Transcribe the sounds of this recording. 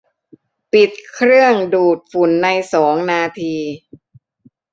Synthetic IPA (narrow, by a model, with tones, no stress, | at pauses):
pi˨˩t̪̚kʰɾɯ˥˩əŋduː˨˩t̪̚fu˨˩˦nːa˧jsɔː˩˦ŋnaː˧t̪ʰiː˧